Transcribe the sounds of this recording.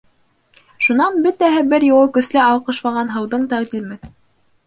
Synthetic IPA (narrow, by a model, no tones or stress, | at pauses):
ʃunɑnbɵt̪æɦɘbɘɾjŏwɤkɵ̆slæɑwqɤ̆ʃmɑʁɑnɦɤ̆wðɤɴt̪ɑʁd̪ʲimɘn